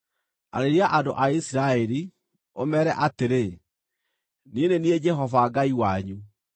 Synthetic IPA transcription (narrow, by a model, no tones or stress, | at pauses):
a̰ɾeɾiaʔadoʔaisiɾaɛɾi | omɛːɾɛʔateɾe | nienenied͡ʒɛɦɔvaɡaiwaɲu